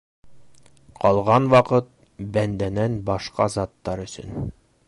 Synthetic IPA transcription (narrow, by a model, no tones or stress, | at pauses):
qɒlˠʁɑnwɒqɤt̪̚ | bænd̪ænænbɒʃqɑzɑt̪ːɑɾɵ̆sɵ̰n